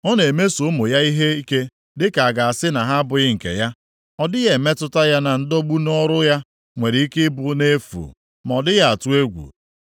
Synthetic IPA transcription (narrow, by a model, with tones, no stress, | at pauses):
ɔ˦ne˨me˦so˦mʊ˨ja˦i˦ɦe˦i˦ke˦ | dɪ˦ka˨a˨ɡa˨a˨sɪ˦na˨ɦa˦a˦bʊ˨ɣɪ˦ŋ̩˨kḛ˨ja˦ | ɔ˦dɪ˦ɣe˨me˦tʊ˦ta˦ja˦na˨n̩˦do˦ɡ͡bu˦nɔ˦ɾʊ˦ja˦ | ŋʷe˨ɾɪ˨i˦kɪ˦bʊ˦ne˦fṵ˨ | ma˨ɔ˨dɪ˦ja˦a˨tu˦e˦ɡʷṵ˨